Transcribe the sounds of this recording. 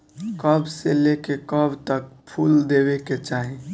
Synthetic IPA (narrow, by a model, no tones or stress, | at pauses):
kəbselekekəbt̪ək̚pʰuld̪eweket͡ʃaːɦi